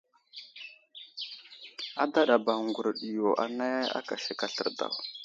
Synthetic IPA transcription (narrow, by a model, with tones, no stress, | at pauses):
a˦da˦ɗa˨ba˨ŋɡu˨ɾɗi˨jo˨ʔa̰˨na˦a̰˦ka˨ʃi˨ka˨ɬə˨ɾda̰˨w